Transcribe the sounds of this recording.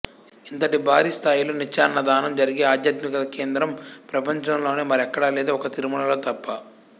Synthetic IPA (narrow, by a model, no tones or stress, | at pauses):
int̪ɐʈibʱaːɾiːst̪ʰaːjuloːnit͡ʃːaːnːɐd̪aːnɐmd͡ʒɐɾiɡeːaːd̪jat̪mikɐɐke̞ːnd̪ɾɐmpɾɐpɐɲt͡ʃɐmlo̞ːneːmɐɾɛkːɐɽaleːd̪oːɔkɐt̪iɾumɐnɐlo̞ːt̪ɐpːɐ